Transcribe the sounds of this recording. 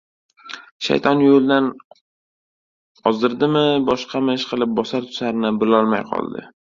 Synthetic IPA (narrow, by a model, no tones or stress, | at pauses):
ʃa̰jt̪ʰɒnjolˠd̪an | ɒzd̪ɪɾd̪ɪmɪbɒʃqʰɑmɪʃqʰɨlˠɪp̚bɒsaɾt̪ʰʊ̥saɾɪnɪbɪlɒlˠmajqʰɒ̰lˠd̪ɪ̰